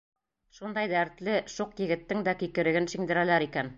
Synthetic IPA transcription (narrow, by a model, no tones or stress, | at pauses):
ʃund̪ɑjd̪æɾt̪lɘʃuqjɘ̆ɡɘ̆t̪ːɘŋd̪ækikɘ̆ɾɘ̆ɡɘnʃĭŋd̪ɘ̆ɾælæɾikæn